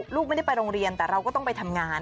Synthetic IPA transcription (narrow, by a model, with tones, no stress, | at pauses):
luː˥˩k̚ma˥˩da˥˩pa˧jɾoː˧ŋɾi˧ənt̪ɛː˨˩ɾa˧wkɔː˥˩t̪ɔ˥˩ŋpa˧jt̪ʰa˧mŋaː˧n